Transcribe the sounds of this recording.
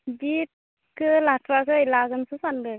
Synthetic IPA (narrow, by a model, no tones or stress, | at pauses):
bit̚ | kɯlatʰɾakʰɯəjlaɡɯnsusandɯ